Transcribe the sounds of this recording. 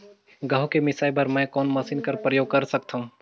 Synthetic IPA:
ɡɐɦokemɪsaːjbɐɾmɛ̃kɔːnmɐsiːnkɐɾpɾəjoːɡ̚kɐɾsɐk̚t̪ʰaɦũː

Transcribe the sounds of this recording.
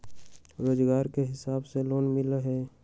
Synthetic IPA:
ɾoːd͡ʒɡaːɾkeɦɪsaːbseloːnmɪleɦɛː

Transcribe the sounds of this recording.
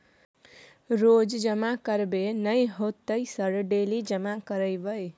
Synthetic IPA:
ɾod͡ʒd͡ʒəmakəɾbenəjɦot̪ːəjsəɾɖelid͡ʒəmakəɾəjbəj

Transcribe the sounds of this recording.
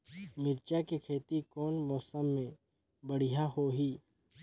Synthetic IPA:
mɪɾt͡ʃakekʰeːt̪ikɔːnmɔːsəmːẽ | bɐɽ̤ijaɦoɦiː

